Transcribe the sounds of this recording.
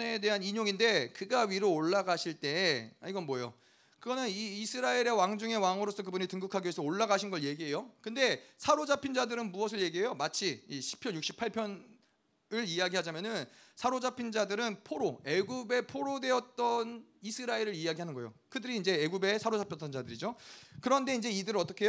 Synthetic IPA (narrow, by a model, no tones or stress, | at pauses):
neede̞ɦaniɲoŋinde̞kɯɡaɥiɾoːɭːaɡaɕʰiɭt͈e̞aiɡʌnmʌjo | kɯɡʌnɯniːsʰɯɾaiɾe̞waŋd͡ʑuŋe̞waŋɯɾosʰʌk̬ɯbuɲitɯŋɡukʰaɡiesʰʌoɭːaɡaɕʰinɡʌɭje̞ɡiɦe̞jokɯnde̞sʰaɾod͡ʑapʰind͡ʑadɯɾɯnmuʌs̬ʰɯɭje̞ɡiɦe̞jomat͡ɕʰiiɕʰi̥pʰjʌnjuk̚ɕ͈i̥pʰaɭpʰjʌn | ɯɭiaɡiɦad͡ʑamjʌnɯnsʰaɾod͡ʑapʰind͡ʑadɯɾɯnpʰoɾoe̞ɡube̞pʰoɾodwe̞ʌt̚t͈ʌnisʰɯɾaiɾɯɾiaɡiɦanɯnɡʌjo̰kɯdɯɾiːnd͡ʑe̞eɡube̞sʰaɾod͡ʑapʰjʌt͈ʌnd͡ʑadɯɾid͡ʑokɯɾʌnde̞ind͡ʑe̞idɯɾɯʌt͈ʌkʰe̞jo